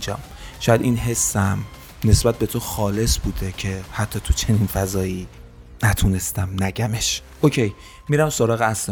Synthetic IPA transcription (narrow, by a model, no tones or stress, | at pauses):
d͡ʒɒ̰ːm | ʃɒːjæd̪inɦe̞sːæm | ne̞sbæt̪̚be̞t̪ʰoxɒːle̞sbuːd̪ecʰe̞hæt̪ʰːɒːt̪ʰut͡ʃʰe̞ninfæzɒːjiː | næt̪ʰune̞st̪æmnæɟæme̞ʃʔocʰe̞j | miɾæmsoɾɒːɣeæsle